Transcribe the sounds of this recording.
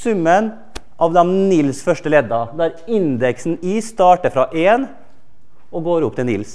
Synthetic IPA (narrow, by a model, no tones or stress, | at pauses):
sʉmːən | ʔɑʋd̪ɛnnɪlsfœʂʈəlɛd̪ːɑd̪æɾɪnd̪ɛksn̩iːst̪ɑːʈəɾfɾɑʔeːn | ɔɡoːɾʊp̚ːt̪ɪlnɪls